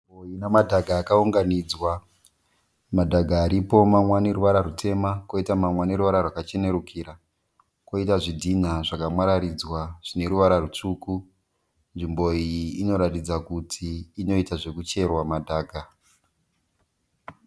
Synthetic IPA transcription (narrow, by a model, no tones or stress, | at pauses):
iboinamadʱaɡʱaːkauŋɡanid͡zwa | madʱaɡʱaːɾipo̞mamwane̞ɾuʋaɾaɾutʰe̞mako̞itamamwane̞ɾuʋaɾarwakat͡ʃe̞ne̞ɾukʰiɾa | ko̞itaʐidʱin̤aʐakamwaɾaɾid͡zwaʐ̥ine̞ɾuʋaɾarut͡ʂuku | nʐimbo̞iːno̞ɾatid͡zakutʰiːno̞itaʐe̞kut͡ʃe̞rwamadʱaːɡʱa